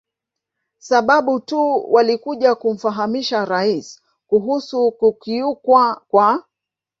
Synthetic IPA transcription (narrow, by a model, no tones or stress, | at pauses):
saɓaɓutuwʔalikuʄakum̩faɦamiʃaɾais | kuɦusukukiukwakwa